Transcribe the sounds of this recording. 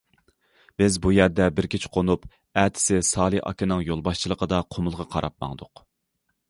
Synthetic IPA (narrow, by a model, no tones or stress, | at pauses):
b̥ɪzbujæɾd̪ɛbɪɾkʲʰit͡ʃʰqʰonup | æt̪ʰɪ̥sɪsɑːlˠiʔɑ̰kʲʰɪnɨŋjolˠbɑʃt͡ʃʰilˠəqʰəd̪ɑqʰomʊlˠʁɑqʰɑɾɑ̰p̚mɑ̰ŋd̪ʊq